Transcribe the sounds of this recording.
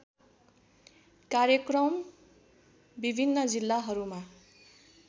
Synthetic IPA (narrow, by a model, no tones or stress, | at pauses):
kaɾjʌkrʌm | bibʱinːʌd͡zilːaɦʌɾuma